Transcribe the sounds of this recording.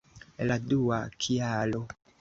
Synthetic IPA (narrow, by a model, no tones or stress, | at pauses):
laduakʰiaːlo